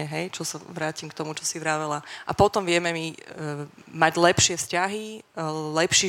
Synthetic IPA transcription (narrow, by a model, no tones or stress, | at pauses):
ɛɦɛjt͡ʃɔsaʋɾaːcimkt̪ɔmut͡ʃɔsiʋɾaːʋɛlaʔapɔt̪ɔmʋɪɛmɛmi | maɟlɛpʃɪɛfscaɦilɛpʃiː